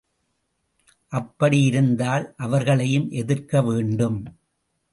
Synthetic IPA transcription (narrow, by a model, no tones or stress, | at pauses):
ʔɐpːɐɽijɪɾɯnd̪aːlʔɐʋɐɾɣɐɭɐjɯmʔɛðɪrkɐʋeːɳɖɯm